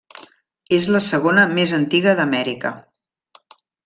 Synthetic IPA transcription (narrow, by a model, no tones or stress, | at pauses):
ezləsəɣ̞onəmezənt̪iɣəðəmɛɾikə̰